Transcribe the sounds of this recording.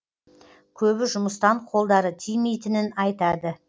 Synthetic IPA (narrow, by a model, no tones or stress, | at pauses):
kʲʰɵbɪʒʊməst̪ɑɴqʰo̞lˠd̪ɑɾət̪ʰijmejt̪ɪnɪnɑjt̪ɑd̪ə